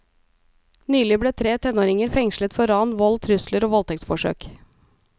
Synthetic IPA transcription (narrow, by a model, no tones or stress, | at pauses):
nyːlɪbɽeːt̪ʰɾeːt̪ʰɛnoːɾɪŋəɾfɛŋʃlət̪fɔɾɑːnʋɔlt̪ʰɾʉsləɾoːʋɔlt̪ʰɛktsfɔʂø̰ːk